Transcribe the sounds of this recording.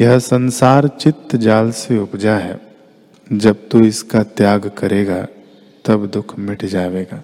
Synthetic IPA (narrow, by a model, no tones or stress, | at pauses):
jɐɦsɐ̃nsaːɾt͡ʃɪt̪ːd͡ʒaːlseʊpd͡ʒaɦɛ̰ː | d͡ʒɐb̚t̪uɪskat̪jaːɡkɐɾeːɡa | t̪ɐbd̪ʊkʰmɪʈʰd͡ʒaːʋeːɡaː